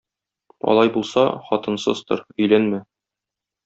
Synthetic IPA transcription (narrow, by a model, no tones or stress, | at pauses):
ɒ̰lˠɑjbulˠsɑχɒt̪ɤ̆nsɤ̰zt̪ɤɾɵ̆jlænmæ